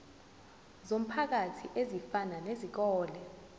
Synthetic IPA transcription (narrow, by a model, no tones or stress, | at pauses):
zom̩pʰak̬atʰiʔezifananezik̬ɔːlɛ